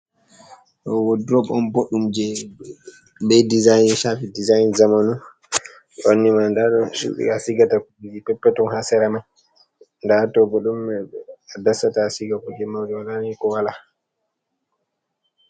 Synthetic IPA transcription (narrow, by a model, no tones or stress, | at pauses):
ɗɔwodɾɔbɔnboɗːumd͡ʒɛ | ɓɛdizajnʃafidizajnzamanu | ɗonːimandaɗɔsṵɗḭkasiɡatakuɡud͡ʒipɛpːɛtɔnhasɛɾaman | ndatɔbɔɗumːɛadasatasiɡakuɡɛmawd͡ʒɛwalanikɔwala